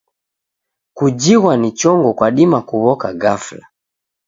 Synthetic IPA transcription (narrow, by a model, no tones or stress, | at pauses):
kud͡ʒiɣwanit͡ʃɔŋɡɔkwaɗimakuβɔkaɡafla̰